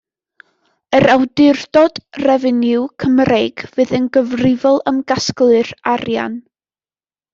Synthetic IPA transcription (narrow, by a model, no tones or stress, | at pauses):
əɾʔawdɪrdɔd̥rɛvɪnɪwkʰəmrejɡ̥vɨːðənɡəvrɪvɔlˠəmɡasklˠɨrarja̰n